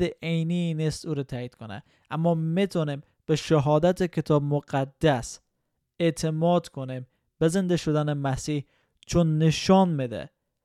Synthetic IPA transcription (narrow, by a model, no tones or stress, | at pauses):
eʔejniːnist̪ʔuːɾɛt̪ʰæːiːd̪̥kʰonḛ | ʔæmːɒːmet̪ʰɔnim | b̥eʃeɦɒːd̪æt̪ʰekʰet̪ʰɒːbmoɡæd̪ːæs | eʔt̪ʰemɒːd̪kʰonim | bezend̪eʃod̪ænemæsiːh | t͡ʃʰonːeʃɒnmed̪ḛ